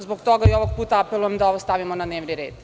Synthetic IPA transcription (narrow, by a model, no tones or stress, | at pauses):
zboɡt̪oɡaioʋoɡ̚puːt̪aapelˠujamd̪aoʋost̪aʋimonad̪neːʋniɾḛːd̪̥